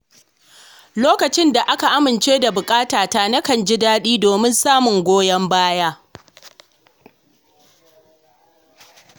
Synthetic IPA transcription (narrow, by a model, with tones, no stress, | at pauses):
loː˦kɐ˨t͡ʃɪ˦nda˨ʔa˦ka˨ʔa˦mɪ˨nt͡ʃeː˦da˨bʊ˨kʼaː˦taː˨ta˦nɐ˦kɐ˨nd͡ʒɪ˦daː˦ɗiː˦doː˨mɪ˦nsaː˦mʊ˨ŋɡʷoː˦jɐ˦mbaː˦jaː˦